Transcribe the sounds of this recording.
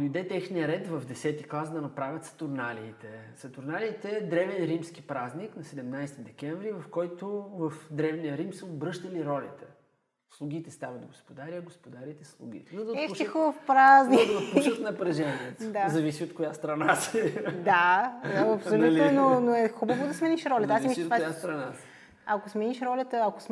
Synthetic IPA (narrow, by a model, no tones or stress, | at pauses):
id̪ɛt̪ɛxniəɾɛt̪vɐvd̪ɛsɛt̪iklˠasd̪ɐnɐpɾavʲɐt̪sɐ̥t̪ʊɾnaliːt̪ɛsɐt̪ʊɾnaliːt̪ɛd̪ɾɛvɛnɾimsk̟ipɾazniknɐsɛd̪ɛmnajst̪id̪ɛk̟ʲɛɱvɾivɐfkɔjt̪ovɐfd̪ɾɛvnijəɾimsɛobɾɤʃt̪ɐliɾɔlʲit̪ɛ | slˠuɡ̟ʲit̪ɛst̪avɐd̪d̪oɡospod̪aɾiəɡospod̪aɾit̪ɛslˠṵɡʲḭt̪ɛnod̪ɐɛuʃʲixovfpɾaznid̪ɐuʃt̪nɐppɾɐʒɛnʲiəd̪azɐvisiot̪kojast̪ɾɐnasɛd̪a | ɐpsolʲulnnonoɛxubəvod̪ɐsmɛniʃɾɔlʲɐt̪asimiʃt̪vajast̪ɾɐnas | ɐkosmɛniʃɾɔlʲət̪əɐko̥s